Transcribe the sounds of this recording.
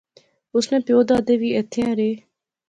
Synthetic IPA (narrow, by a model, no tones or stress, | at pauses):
ʊsnẽːpjoːd̪aːd̪eːʋiːeːt̪ʰeãːɾeː